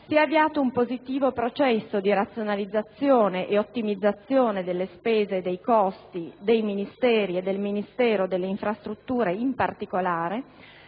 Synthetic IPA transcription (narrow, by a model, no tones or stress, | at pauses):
siɛavːiaːt̪oumpozit̪iːvopɾot͡ʃɛsːod̪iɾat̪sːjonalid̪zːat̪sːjoːneʔeot̪ːimid̪zːat̪sːjoːned̪elːespeːzeːd̪ːejkɔst̪id̪ejminist̪ɛːɾied̪ːelminist̪ɛːɾod̪elːeiɱfɾast̪ɾut̪ːuːɾeimpart̪ikolaːɾe